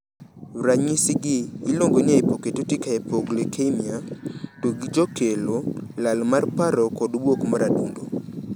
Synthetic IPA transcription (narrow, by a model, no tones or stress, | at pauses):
raɲisiɡɪːloŋɡoɲaepoketotikaɛpoɡlekʰemiatoɡid͡ʒɔkelolalmarpaɾɔkɔdbwokmaɾadṵndo